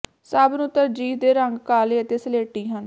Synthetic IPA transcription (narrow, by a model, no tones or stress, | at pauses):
səbnũt̪əɾd͡ʒiːd̪eːɾəŋɡkaːleːət̪eːsəleːʈːiːɦən